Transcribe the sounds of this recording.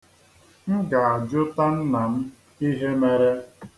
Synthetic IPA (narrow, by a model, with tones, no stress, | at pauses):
m̩˦ɡa˨a˨d͡ʒʊ˦ta˦n̩˦na˨m̩˦ | i˦ɦe˦me˦ɾe˦